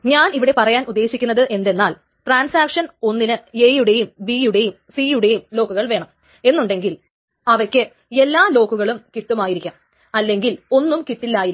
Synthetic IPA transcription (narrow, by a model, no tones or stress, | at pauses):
ɲaːniʋiɽe̞pɐrɐjaːnud̪ːe̞ːɕikʲːunːɐðɨʔe̞nd̪e̞nːaːl | ʈraːnsaːkʂɐno̞nːinɨejuɽe̞jumbijuɽe̞jumsijuɽe̞jumlo̞ːkːuɣɐɭʋe̞ːɳɐm | e̞nːuɳɖe̞ŋɡil | ɐʋɐrkʲːɨ | e̞lːaːlo̞ːkuɣɐɭumkit̪ːumaːjiɾikʲːaɐm | ɐlːe̞ŋɡilo̞nːumkit̪ːilːaːjiɾ